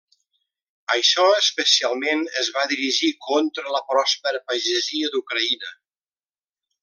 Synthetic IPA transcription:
əʃɔəspəsialˠmenəzβaðiɾiʒikʰɔnt̪ɾələpɾɔspəɾəpaʒəziəd̪ukɾəinə

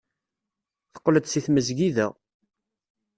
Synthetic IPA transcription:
θə̥qːləd̪siθməzɡiðæ

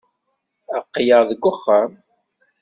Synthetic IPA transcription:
əqːjəʁðəɡʷːʊχːəm

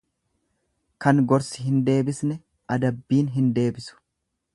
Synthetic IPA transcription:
kɐŋɡɔɾsɪ̥ɦɪnd̪e̞ːbɪsnɛ | ʔɐd̪ɐbːiːnɦɪnd̪e̞ːbɪsʊ̥

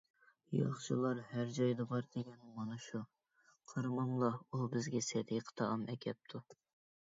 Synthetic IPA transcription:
jɑ̰χt͡ʃʰɨ̰lˠɑɾhæɾd͡ʒɑjd̪ɑbɑɾd̪̥ɪɡʲɛnmɑnɨʃu | qʰəɾmɑmlˠɑubɪzɡʲɛsɛd̪eqʰə̥t̪ʰɑʔɑmɛkʲʰɛp̚t̪ʰu

